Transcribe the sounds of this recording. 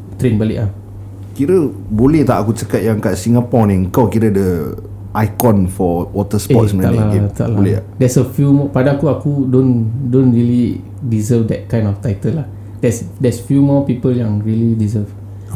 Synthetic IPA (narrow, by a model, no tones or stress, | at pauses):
t̪ɾenbalɪ̰ʔah | kiɾə | bolɛht̪aʔakut͡ʃakat̪̚jãŋkaʔsiŋɡapɔnɛ̃kakiɾədə | ʔajkɔ̃nfɔwɔt̪əsɔtsmənalat̪a̰ʔlablɛdɛsəfjumɔpadaakuakudõndõnɹili | dizəfdɛt̚kãj̃ndɔft̪ajt̪əlah | d̥ɛsdɛsfjumɔpipəljãŋɹilidizəf